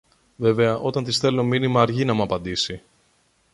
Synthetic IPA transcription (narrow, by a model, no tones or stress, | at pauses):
ve̞ve̞ɐʔo̞t̪ɐnt̪isθe̞lo̞minimɐːɾʝinɐmuɐpɐnd̪isi